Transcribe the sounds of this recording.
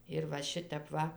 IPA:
ɪr ʋɐ ˈʃʲɪtʲɛp ˈʋɐ

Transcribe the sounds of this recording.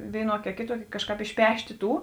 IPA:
ˈʋʲeːɪˌnuɔkʲɪ ɐ ˈkʲeːˌtuɔkʲɪ ˈkɑːʃˌkɑːp ɪʃʲˈpʲæːʃʲtʲeː ˈtuː

